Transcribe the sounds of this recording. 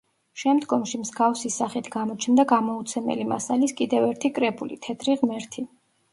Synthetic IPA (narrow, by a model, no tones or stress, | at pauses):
ʃɛmd̪ɡɔmʃimzɡafsisaχit̪ʰɡamɔt͡ʃʰnd̪aɡamɔut̪sʰɛmɛ̰lima̰saliskʼid̪ɛvɛɾt̪ʰikʼɾɛbulḭt̪ʰɛd̪ʰɾiʁmɛɾt̪ʰi